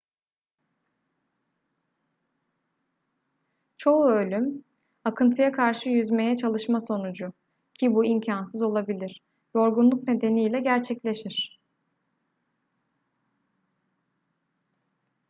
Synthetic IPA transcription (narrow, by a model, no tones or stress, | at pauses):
t͡ʃʰo̞uø̞lʲym | akʰɯnt̪ʰɯjakʰaɾʃɯjyzme̞jɛt͡ʃʰalˠɯʃmaso̞nud͡ʒʊ | cʰibuimcʰansɯzo̞lˠabilʲiɾ̥ | jo̞ɾɡunlˠuk̚ne̞d̪e̞nijlʲɛɟæɾt͡ʃʰɛclʲe̞ʃiɾ̥